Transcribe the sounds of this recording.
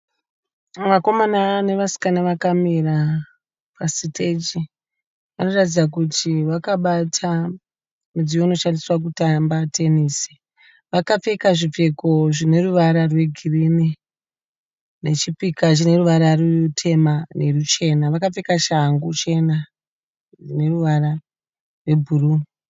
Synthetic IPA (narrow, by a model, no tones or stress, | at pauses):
mako̞manane̞ʋasi̥kanaʋakamiɾa | pasitʰe̞t͡ʃi | ʋano̞ratid͡zakutʰiʋakaɓatʰa | mud͡zijoino̞ʃandiswak̬utambatʰe̞niːsi̥ | ʋakap͡fe̞kaʐip͡fe̞ko̞ʐine̞ruʋaɾarwe̞ɡʱirini | ne̞t͡ʃipikat͡ʃine̞ruʋaɾarutʰe̞mane̞rut͡ʃe̞naʋakap͡fe̞kaʃaŋɡut͡ʃe̞na | ʐine̞ruʋara | rwe̞bʱuruːni